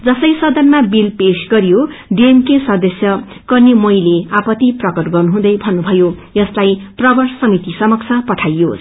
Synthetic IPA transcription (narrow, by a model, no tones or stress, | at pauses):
d͡zʌsʌjsʌd̪ʌnmabilpesɡʌɾjoɖemkesʌd̪ʌsjʌ | kʌrnemʌjleapʌt̪ːiprʌkʌʈɡʌrnuɦũd̪ʌjbʱʌnːubʱʌjojʌslajprʌbʌrsʌmit̪isʌmʌk̚t͡sʰʌpʌʈʰajːo